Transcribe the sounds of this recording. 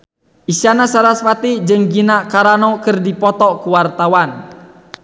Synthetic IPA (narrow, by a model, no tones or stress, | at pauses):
ʔisianasaɾaswat̪id͡ʒɨŋɡinaʔkaɾanɔkərdipɔt̪ɔkuwart̪awan